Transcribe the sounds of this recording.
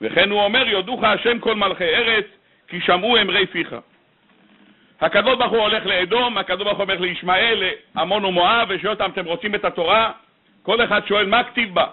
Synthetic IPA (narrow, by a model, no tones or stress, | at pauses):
vḛχe̞nuo̞me̞ʁjod̪uχaaʃemko̞lmalχejeʁe̞t͡s | kiʃamue̞mʁejfiχa̰ | hakad̪o̞ʃbaʁχuo̞le̞χleːd̪o̞makad̪oʃbaʁχuomeleiʃmae̞leamo̞numoaveʃeot̪amat̪e̞mʁo̞t͡simet̪at̪o̞ʁa | ko̞le̞χad̪ʃo̞e̞lmakt̪ivba